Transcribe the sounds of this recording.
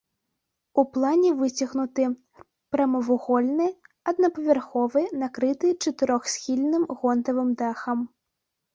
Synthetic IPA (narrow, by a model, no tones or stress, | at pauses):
uplˠanʲɛvɨt͡sʲɐɣnut̪ɨ | pɾɐmɐvuɣɔlʲnɨ | ɐd̪nɐpɐvʲɛrxɔvɨnakɾɨt̪ɨt͡ʂɐt̪ɨɾɔxsʲxʲilʲnɨmɣɔnt̪ɐvɨmd̪axɐm